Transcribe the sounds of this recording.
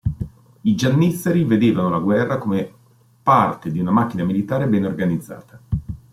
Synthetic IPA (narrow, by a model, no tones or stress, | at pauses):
id͡ʒanːiseɾived̪eːvanolaɡwɛrːakome | part̪ed̪iunamak̟ːinamilit̪aːɾebɛnorɡanid̪zːa̰ːt̪a